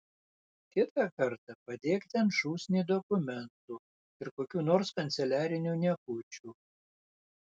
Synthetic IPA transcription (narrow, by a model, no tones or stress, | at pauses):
kʲɪt̪ɑkɐɾt̪ɐpɐd̪ʲeːkt̪ʲɛnʃuːsʲnʲiːd̪ɔkʊmʲɛnt̪uː | ɪɾkoːkʲuːnoːɾskɐnʲt̪sʲɛlʲæːɾʲɪnʲuːnʲɛkʊːt͡ʃʲuː